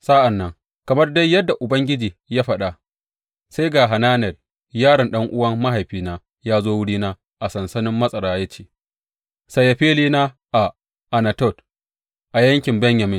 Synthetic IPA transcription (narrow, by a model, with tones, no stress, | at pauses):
sa˦ʔa˨nːɐ˨ŋ | kɐ˨mɐ˦rda˦jjːɐ˦dːa˨ʔʊ˨bɐ˦ŋɡʲɪ˦d͡ʒiː˨jaː˦ɸɐ˦ɗa˨ | sa˦jɡaː˨ɦa˨naː˦nɛ˨l | jaː˦ɽɐ˨nɗɐ˦ŋʔʊ˦wɐ˦mːa˦ɦa˨jɸiː˦naː˦ | jaː˦zoː˦wʊ˦ɽiː˦naː˦ | ʔa˨sɐ˨nsɐ˦nɪ˦mːɐ˦sʼɐ˨ɽaː˦jɐ˦t͡ʃe̥ː˦ | sɐ˨jɐ˨ɸeː˦liː˦naː˦ | ʔa˨ | ʔa˨nɐ˨tɔ˦˨t | ʔa˨jɐ˦ŋkʲɪ˨mbɛ˦ɲjɐ˨mɪ˦